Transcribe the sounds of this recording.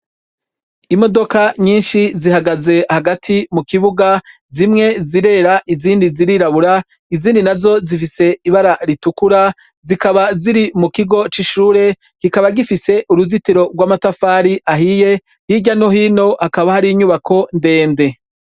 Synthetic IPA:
imo̞do̞kaɲiːnʃizihaɡaze̞haɡatʰimukiβuɡa | zimŋe̞ziɾe̞ɾaʔiziːndiziɾiɾaβuɾa | iziːndinazo̞zifise̞iβaɾaɾitukuɾa | zikaβaziɾimukiɡo̞t͡ʃiʃuːɾe̞ | kikaβaɡifise̞ʔuɾuzitiɾo̞ɡwaːmatafaːɾiʔaɦije̞ | hiɟano̞ɦino̞hakaβahaɾiːɲuβakʰo̞nde̞ːnde̞

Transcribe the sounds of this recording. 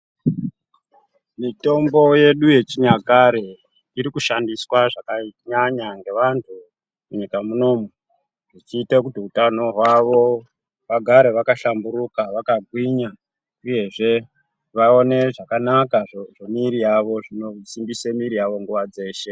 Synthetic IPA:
mito̞mbo̞je̞ɗuje̞t͡ʃiɲakaɾe̞ | iɾikuʃandiswaʐakaɲaɲaŋɡe̞ʋantʰu | muɲikamuno̞ːme | ʐit͡ʃiːtekutiutano̞ɦwaʋo̞ | ʋaɡʱaɾe̞ʋakaʃambuɾukaʋakaɡʱwiɲa | uje̞ʐe̞ | ʋao̞ne̞ʐakanakaʐʐemiɾijaʋo̞ʐinosimbisemiɾijaʋo̞ŋɡuʋad͡ze̞ːʃe̞

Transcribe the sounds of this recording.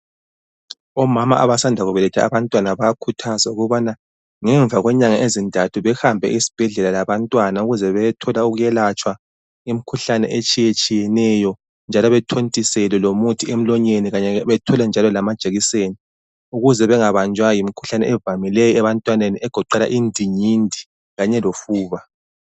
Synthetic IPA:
ɔmama̰ʔaβasandʱaɣuβɛlɛtʰɛa̰βantʼwanaβajakʰutʰazauɣuβana | ŋɛɱvʱaɣwɛɲaŋaʔezintʼatʰuβɛhambʱɛ̰ʔisi̥b̥ʱɛɮɛlalaβantʼwanauɣuzɛβɛjɛtʰɔlauɣujɛlat͡ʃʼwa | imikʰuɬanɛ̰ʔet͡ʃʼijet͡ʃʼijɛnɛjɔ | nd͡ʒʱalɔβɛtʰontʼisɛlɛlomutʰiem̩lɔɲeniɣaɲɛβɛtʰɔlɛnd͡ʒʱalɔlamad̥ʒ̥ʱeɣiseːni | uɣuzɛβɛŋaβand͡ʒʱwajimikʰu̥ɬanɛ̰ɛvamilɛjɔɛβantʼwaneniɛɡ̥ʱɔǃɛla̰ʔindʱiɲindʱi | ɣaɲɛlofuːβa

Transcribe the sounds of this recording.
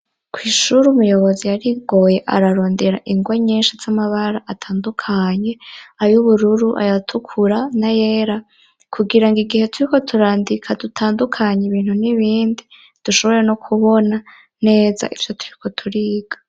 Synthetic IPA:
kʰwiːʃuɾumujo̞βo̞zijaɾiɡo̞je̞ʔa̰ɾaɾo̞ːnde̞ɾa̰ʔiŋɡwaɲeːnʃaz̥amaβaɾaʔatʰaːndukʰaɲe̞ajuβuɾuɾuʔa̰jatʰukʰuɾanaje̞ːɾa | kʰuɡiɾaŋɡiɡihe̞tʰuɾiko̞tʰuɾaːndikʰadutʰaːndukʰaɲeβiːn̥huniβiːndi | d̥uʃo̞βo̞ɾenokʰuβo̞na | ne̞ːza̰ʔiv̥jo̞tʰu̥ɾikʰo̞tʰuɾiːɡ̥ḁ

